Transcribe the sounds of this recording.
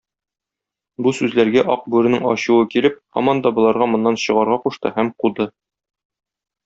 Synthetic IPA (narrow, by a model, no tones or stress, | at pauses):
busʉzlæɾɡæʔɒq̚bʉɾɘ̆nɘŋɒ̰ɕuwɤkilɘp̚hɒ̰mɒnd̪ɑbŏlˠɑɾʁɑmŏnːɑnɕɤ̆ʁɑɾʁɑquʃt̪ɤ̰hæmqud̪ɤ